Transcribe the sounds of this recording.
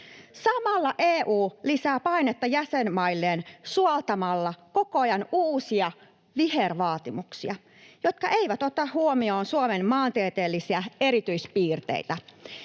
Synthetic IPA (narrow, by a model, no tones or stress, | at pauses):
sɑmɑlːɑʔeːʔuːlisæːpɑinet̪ːɑjæsenmɑilːeːnsuɑlt̪ɑmɑlːɑko̞koɑjɑnuːsiɑ | ʋiherʋɑːt̪imuksiɑ | jot̪̚kɑʔe̞iʋæt̪ot̪ɑhhuomioːnsuomenmɑːnt̪iet̪eːlːisiæeɾit̪yispiːrt̪ḛit̪æ